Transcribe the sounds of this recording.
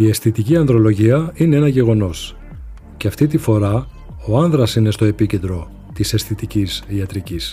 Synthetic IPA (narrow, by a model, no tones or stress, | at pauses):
ie̞sθit̪iciɐnðɾo̞lo̞ʝiɐinee̞nɐʝe̞ɣo̞no̞s | ceɐft̪it̪̬ifo̞ɾɐ | o̞ɐnðɾɐsine̞st̪o̞e̞pice̞nd̪ɾo̞ | t̪isesθit̪icisiɐt̪ɾicis